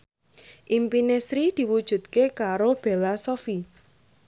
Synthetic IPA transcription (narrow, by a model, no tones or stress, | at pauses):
ʔimpinesɾid̪̥i̤wud̥ʒ̥ṳt̪kekaɾob̥e̤lasofi